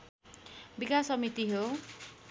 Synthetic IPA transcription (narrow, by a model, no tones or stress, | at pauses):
bikasʌmit̪iɦo